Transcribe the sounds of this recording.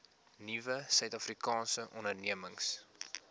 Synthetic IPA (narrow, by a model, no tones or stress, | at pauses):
nivəsœɥtɐfrikɑːnsəʔɔnərniəməŋs